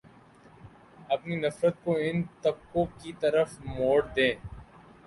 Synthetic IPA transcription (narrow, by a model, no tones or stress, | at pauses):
ɐpninɐfɾət̪̚koɪnt̪ɐb̚kõkit̪ɐɾəfmoːɽd̪ẽː